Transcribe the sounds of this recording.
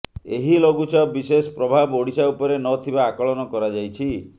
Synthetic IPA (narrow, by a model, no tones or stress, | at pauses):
eɦiloɡut͡ʃɔbisespɾɔbʱaboɽisaupɔɾenɔt̪ʰibaːkɔɭɔnɔkɔɾad͡ʒajt͡ʃʰi